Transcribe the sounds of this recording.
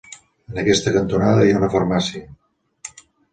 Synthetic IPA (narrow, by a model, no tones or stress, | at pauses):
ənəkɛst̪əkənt̪unaðəjaunəfəɾmasiə